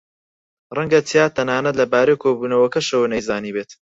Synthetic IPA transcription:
rɐŋɡɐt͡sijaːt̪ʰːɐnaːnɐt̪lɐbaːɾejkʰoːbuːnɐwɐkɐʃɐwɐnɐjzaːniːbeːt̪

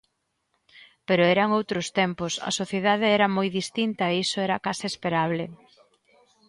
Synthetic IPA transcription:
peɾoɛɾɐŋowt̪ɾʊst̪ɛmpʊsɐ̰soθjeðaðeɛɾɐmojðist̪int̪ɐeisoɛɾɐkasɪespeɾaβ̞le

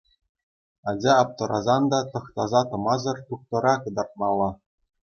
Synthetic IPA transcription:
ɑd͡ʑɑːp̚t̪ɤ̆ɾʔɑzɑnd̪ɑt̪ɤ̆χt̪ɑzɑt̪ɤ̆mɑzɤ̆rt̪uχ̚t̪ɤ̆ɾɑkɤ̆d̪ɑrt̪̚mɑlˠːɑ

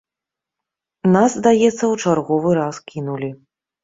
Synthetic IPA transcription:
nazzd̪ajɛt̪sːɐwt͡ʂarɣɔvɨɾaskʲʰinulʲi

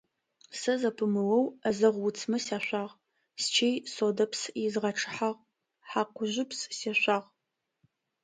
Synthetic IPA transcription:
sɐzɐpʰɨmɨwɐwɐzɐʁʷwʊt͡sʰmɐsaːɕʷaːʁ | st͡ʃʰejsoːdɐpʰsizʁɐʈ͡ʂʰɨ̥ħaʁ | ħaqʷʊʒʷɪpsseɕʷaːʁ

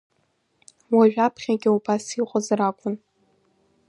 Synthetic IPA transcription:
waʒᶣapʰχʲaɡʲɪubasiqʷʼazrakʷʼʊn

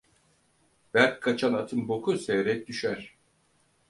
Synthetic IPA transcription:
bæɾkkʰːat͡ʃʰanat̪ʰɯmbokʰusɛjɾɛc̚d̪yʃæɾ̥

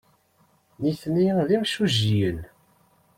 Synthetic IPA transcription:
niθniðimʃuʒijən

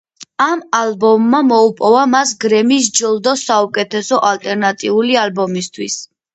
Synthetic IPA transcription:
amalbɔmːamɔupʼɔvamas̬ɡɾɛmis̬d͡ʒɔlˠd̪ɔsaukʼɛt̪ʰɛsɔʔalt̪ʼɛɾnat̪ʼiulialbɔmist̪ʰwis

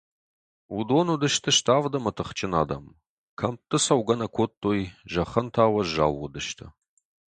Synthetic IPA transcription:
wudoːnudɨʃtʰɨʃtʰaːvdɐmɐtʰɨχt͡ʃʼɪna̰ːdɐ̰m | kʰɐmtʰʼɨsɐwɡɐnɐkʷʰotʼːoːjʒɐχɐntʰaːwɐʒa̰ːwːʊdɨʃtʰɨ

